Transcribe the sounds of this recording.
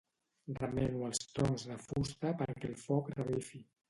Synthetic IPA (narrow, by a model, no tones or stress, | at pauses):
rəmɛnuəlˠst̪ɔnzðəfust̪əpəɾkɛlˠfɔkrəβifi